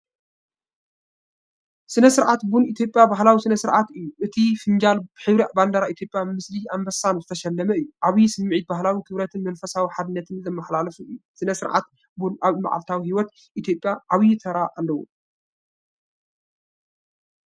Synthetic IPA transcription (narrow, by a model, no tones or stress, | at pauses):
sɨnɐsɨɾʕat̪bunit̪ʰjo̞pʼjabaɦlawisɨnɐsɨɾʕat̪ɨjːuʔɨt̪ʰifɨnd͡ʒalbħɨβɾɐʔband̪aɾaʔit̪ʰjo̞pʼjamɨsliambɐsanzɨt̪ʰɐʃɐlːɐmɐɨjːuʔaβisɨmːʕit̪̚bahlawikʰɨβɾɐt̪ʰɨnmɐnfɐsawiħad̪ɨnːɐt̪ʰɨnzɐmːɐħlalɐfuɨjːusɨnɐsɨɾʕʔa̰t̪̚ | bunʔaβma̰ʕa̰lt̪ʰawihiwɔt̪ | ʔit̪ʰjo̞pʼjaʔaβjt̪ʰɐɾaʔalːɐwṵ